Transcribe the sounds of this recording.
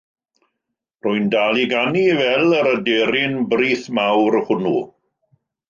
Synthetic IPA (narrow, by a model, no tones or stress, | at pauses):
rʊɨndalˠiɡanivɛlˠəɾədeɾɪnbriːθmawɾhʊnu